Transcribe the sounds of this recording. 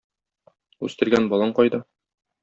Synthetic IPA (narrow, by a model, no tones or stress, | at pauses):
ʉ̰st̪ɘ̆ɾɡænbɒlˠɑɴqɒjd̪ɤ